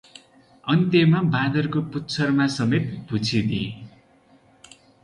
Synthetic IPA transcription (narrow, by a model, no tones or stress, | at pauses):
ʌnt̪jemabad̪ʌrkoput̪ːt͡sʰʌrmasʌmet̪bʱut͡sʰid̪i